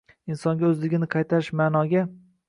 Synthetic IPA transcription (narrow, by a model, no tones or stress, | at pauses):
insɒŋɡʲaɵzlɪɡʲɪnɪqʰɑjt̪ʰaɾɪʃmaːnɒɡʲa